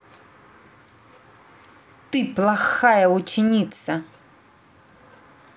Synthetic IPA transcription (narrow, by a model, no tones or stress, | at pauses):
t̪ɨplˠaxajɐut͡ʃɪnʲit̪sɐ